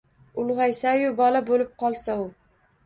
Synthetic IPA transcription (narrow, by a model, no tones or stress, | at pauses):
ʊlˠʁɑjsajʊbɒlabolɪp̚qʰɒlˠsaʊ